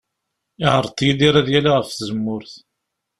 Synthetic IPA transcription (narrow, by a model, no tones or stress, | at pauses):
ɪʕəɾˤt̪ˤːjiliɾæðjælaʁəfθzəmːʊɾθ